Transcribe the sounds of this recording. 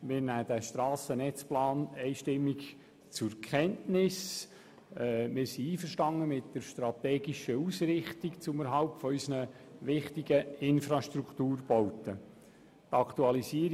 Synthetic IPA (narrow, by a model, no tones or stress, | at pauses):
mɪːɾnæːdæʃtrɑːsənɛt͡splaːnɛɪʃtɪmːik | t͡sʊɾkʰχɛntnɪs | mɪːɾsiiːfəɾʃtɑŋːəmɪtdəɾʃtɾɑt̪ɛːɡiʃəuːsɾɪχtikt͡sʊməɾɦɑlp̚tfɔysənə | ʋɪχtiɡəɪnfɾɑʃtruktuːrbɔʊtə | tɑktuɑlisiəɾ